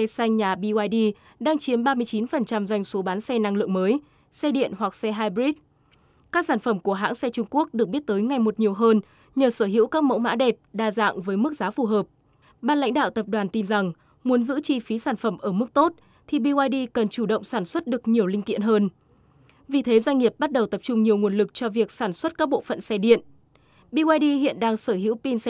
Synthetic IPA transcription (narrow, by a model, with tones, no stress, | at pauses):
ɛ˧sa˧jŋ̟ɲaː˨˩ɓi˧waː˧jɗi˧ | ɗaː˧ŋt͡ɕi˨˦əmɓaː˧mɨ˧əjt͡ɕi˨˦nfə˨˩nt͡ɕa˧mzwa˧jŋ̟so˨˦ɓaː˨˦nsɛ˧na˧ŋlɨ̰˧˨əŋməː˨˦j | sɛ˧ɗḭ˧˨ənhwa˨˩k̚sɛ˧ɦaː˧jbɾi˦˥t̚ | kaː˦˥k̚saː˧˩nfə˧˩mku˧˩əɦa̰ː˧˥ŋsɛ˧t͡ɕʊ˧ŋ͡mku˦˥ək̚ɗɨ˨˩ək̚ɓi˦˥ət̚t̪əː˨˦jŋa˨˩jmo˨˩t̚ɲi˨˩əwɦəː˧n | ɲəː˨˩səː˧˩ɦḭ˧˥wkaː˦˥k̚mə̰˧˥wma̰ː˧˥ɗɛ˨˩p̚ɗaː˧za̰ː˧˨ŋvəː˨˦jmɨ˦˥k̚zaː˨˦fu˨˩ɦəː˨˩p̚ | ɓaː˧nla̰˧˥jŋ̟ɗa̰ː˧˨wt̪ə˨˩p̚ɗwaː˨˩nt̪i˧nza˨˩ŋ | mu˨˦ənzɨ̰˧˥t͡ɕi˧fi˨˦saː˧˩nfə˧˩mʔəː˧˩mɨ˦˥k̚t̪o˦˥t̚ | t̪ʰi˨˩ɓi˧waː˧jɗi˧kə˨˩nt͡ɕu˧˩ɗə̰˧˨wŋ͡msaː˧˩nswə˦˥t̚ɗɨ˨˩ək̚ɲi˨˩əwlï˧ŋ̟t̪ḭ˧˨ənɦəː˧n | vi˨˩t̪ʰe˨˦zwa˧ŋ̟ŋi˨˩əp̚ɓa˦˥t̚ɗə˨˩wt̪ə˨˩p̚t͡ɕʊ˧ŋ͡mɲi˨˩əwŋu˨˩ənlɨ˨˩k̚t͡ɕɔ˧vi˨˩ək̚saː˧˩nswə˦˥t̚kaː˦˥k̚ɓo̰˧˨fə̰˧˨nsɛ˧ɗḭ˧˨ən | ɓi˧waː˧jɗi˧hḭ˧˨ənɗaː˧ŋsəː˧˩ɦḭ˧˥wpi˧ns